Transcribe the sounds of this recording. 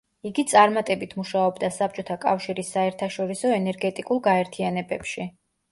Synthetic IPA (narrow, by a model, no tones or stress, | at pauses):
iɡit̪sʼaɾmat̪ʼɛbit̪ʰmuʃaɔbd̪asap̚t͡ʃʼɔt̪ʰakʼafʃiɾisːaɛɾt̪ʰaʃɔɾisɔɛnɛɾɡɛt̪ʼikʼulˠɡaɛɾt̪ʰianɛbɛpʃi